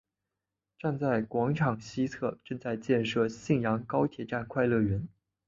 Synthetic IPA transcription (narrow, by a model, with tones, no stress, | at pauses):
ʈ͡ʂa˥˧nt͡sa˥˩ɪkwɑ˧˥ŋʈ͡ʂʰɑ˨˩ŋɕi˥t͡sʰɤ˥˩ʈ͡ʂɤ˥˧ŋt͡sa˥˧ɪt͡ɕjɛ˥˧nʂɤ˥˧ɕi˥˩ŋjɑ˧˥ŋkɑ˥ʊt̪ʰjɛ˨˩ʈ͡ʂa˥˩nkʰwa˥˧ɪlɤ˥˩ɥɛ˧˥n